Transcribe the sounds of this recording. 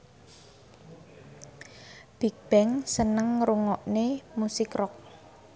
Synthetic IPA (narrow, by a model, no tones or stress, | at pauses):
b̥ik̚b̥ɛŋsənəŋɾuŋɔʔnemusɪkrɔk̚